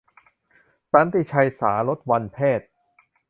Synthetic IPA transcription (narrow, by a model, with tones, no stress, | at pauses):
t̪a˦˥nt̪i˧˩t͡ɕʰa˧jsaː˩˦lo˦˥t̪̚wa˧npʰeː˥˩t̪̚